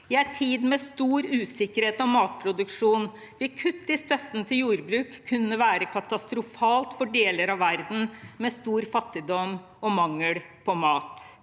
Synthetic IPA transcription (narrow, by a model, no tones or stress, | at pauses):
ɪæɪt̪ʰiːd̪mɛst̪uːɾʉːsɪkəɾheːt̪ɔmɑːt̪̚pʰɾʊd̪ʉkʂuːn | ʋɪkʰʉt̪ːɪst̪œt̪ːn̩t̪ʰɪljuːɾbɾʉːkʰːʉnːəʋæːɾəkʰɑt̪ɑst̪ɾʊfɑːlt̪fɔɖeːləɾɑʋʋæɾd̪n̩mɛst̪uːɾfɑt̪ːɪd̪ɔm | ɔmɑŋːəɽ | pʰɔmɑːt̪